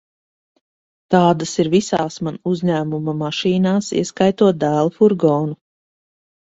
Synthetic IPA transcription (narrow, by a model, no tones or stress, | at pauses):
t̪aːd̪asiɾvisaːsmanuzʲɲæːmumamaʃiːnaːsḭɛskajt̪uɔt̪̚d̪æːlˠfuɾɡɔːnu